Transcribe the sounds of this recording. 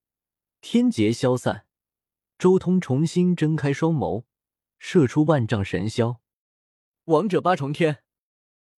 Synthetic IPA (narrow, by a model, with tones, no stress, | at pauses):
t̪ʰjɛ˥nt͡ɕjɛ˧˥ɕjɑ˥ʊsa̰˥˩n | ʈ͡ʂo˥ʊt̪ʰʊ˥ŋʈ͡ʂʰʊ˧˥ŋɕi˥nʈ͡ʂə˥nkʰa˥ɪʂwɑ˥ʊmo̰˧˥ʊ | ʂɤ˥˩ʈ͡ʂʰu˥wa˥˧nʈ͡ʂɑ˥˩ŋʂə̰˧˥nɕjɑ˥ʊ | wɑ˧˥ŋʈ͡ʂɤ˨˩pa˥ʈ͡ʂʰʊ˧˥ŋt̪ʰjɛ˥n